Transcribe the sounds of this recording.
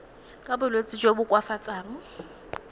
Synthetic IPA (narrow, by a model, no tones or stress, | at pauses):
kʼabʊlot͡sʼɪd͡ʒobʊkʼwafat͡sʼaːnʊ